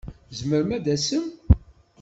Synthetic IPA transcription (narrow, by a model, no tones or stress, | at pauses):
zməɾmæd̪æsəm